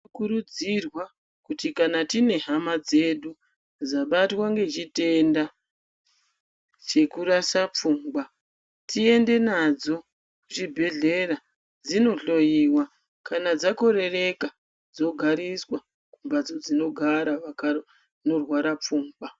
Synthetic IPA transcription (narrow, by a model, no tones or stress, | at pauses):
kuɾud͡zirwa | kutikanatine̞ɦamad͡ze̞ɗu | d͡zaɓatwaŋɡe̞d͡ʒite̞nda | t͡ʃe̞kuɾasap͡fuːmɡa | tie̞nde̞nad͡zo̞ | ʐibʱe̞ɮe̞ra | d͡zino̞ɬo̞jiwa | kanad͡zako̞ɾe̞re̞ka | d͡zo̞ɡʱaɾiswa | kumbad͡zo̞d͡zino̞ɡʱaɾaʋaka | no̞rwaɾap͡fuːŋɡa